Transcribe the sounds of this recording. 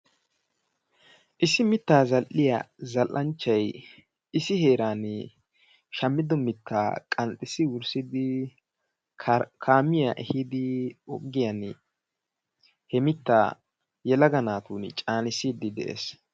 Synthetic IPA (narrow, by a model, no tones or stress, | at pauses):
ʔɪsɪmɪt̪ːaːzɐlʔːɪjɐ̰zɐlʔʔɐnt͡ʃːɐj | ɪsɪhe̞ːɾaːn | ʃɐmːɪd̪ɔmɪt̪ːaːkʼɐnt̪ʼːɪsɪwʊɾsɪd̪ɪ | kʰaːmɪjaʔɛ̰hɪd̪ɪɔɡːɪjɐn | hɛmɪt̪ːa̰ː | jɛlɐɡɐnaːt̪uːnt͡ʃʼaːnɪsiːd̪ɪd̪ɛ̰ʔḛːs